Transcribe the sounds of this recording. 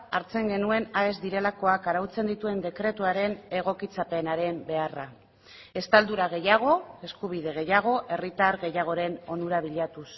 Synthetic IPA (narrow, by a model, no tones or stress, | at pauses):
aɾt͡se̞ŋɡe̞nue̞nae̞zd̪iɾe̞lako̞akaɾawt͡se̞nd̪it̪ue̞nd̪e̞kɾe̞t̪uaɾe̞ne̞ɣ̞o̞kit͡sape̞naɾe̞mbe̞ara | e̞st̪ald̪uɾaɣ̞e̞jaɣ̞o̞e̞skuβ̞iðe̞ɣ̞e̞jaɣ̞o̞ʔe̞rit̪aɾɣe̞jaɣ̞o̞ɾe̞no̞nuɾaβ̞iʎat̪us